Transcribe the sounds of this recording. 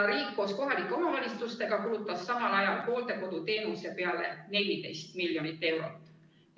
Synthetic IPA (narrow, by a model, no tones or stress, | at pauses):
ɾiːkːo̞ːsko̞ɦɑlikːˑeo̞mɑvɑlʲist̪ust̪e̞ɡ̥ɑkulut̪ːˑɑsːɑmɑnɑjɑlpo̞ːld̪e̞ko̞d̪̥ut̪e̞ːnuse̞pe̞ɑle̞̰ne̞lʲid̪e̞jst̪miljo̞nit̪ːˑe̞wɾo̞t̪ːˑ